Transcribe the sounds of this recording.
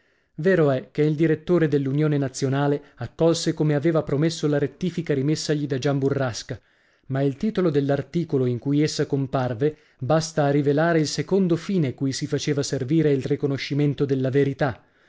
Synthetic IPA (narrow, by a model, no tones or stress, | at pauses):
veːɾoɛk̟ːeild̪iɾet̪ːoːɾed̪elːunjoːnenat̪sːjonaːleakːɔlsekomeaveːvapɾomesːolaɾet̪ːiːfikaɾimesːaʎid̪ad͡ʒamburːaska | mailt̪iːt̪olod̪elːart̪iːkoloiŋkujesːakomparve | bast̪aːrivelaːɾeilsekond̪ofiːnekujsifat͡ʃeːvaserviːɾeilrikonoʃːiment̪od̪elːaveɾit̪a